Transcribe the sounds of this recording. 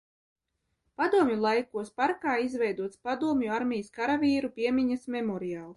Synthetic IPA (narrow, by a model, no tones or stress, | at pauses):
pad̪uɔmjulˠajkuɔspaɾkaːizvɛjd̪uɔt̪spad̪uɔmjuaɾmʲijskaɾavʲiːɾupʲiɛmʲiɲasmʲɛmɔɾiaːlˠ